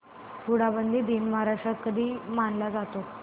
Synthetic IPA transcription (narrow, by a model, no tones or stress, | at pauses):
puɽabənd̪ʱiːd̪iːnmaɾaʂəkəd̪iːmanlad͡zat̪o